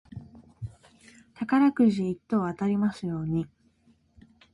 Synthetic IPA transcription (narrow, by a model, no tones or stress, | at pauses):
t̪akaɾakɯ̟ʑiːt̪ːo̞ːβat̪aɾʲimasɨjo̞ːɲ̟i